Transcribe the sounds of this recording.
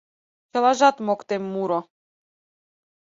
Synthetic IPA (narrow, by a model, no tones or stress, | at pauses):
t͡ʃalaʒat̪mɔkt̪ɛmːuɾɔ